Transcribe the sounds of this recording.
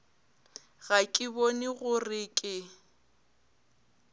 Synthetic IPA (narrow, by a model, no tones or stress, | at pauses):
ɣakʼɪbonɪɣʊrɪkʼɪ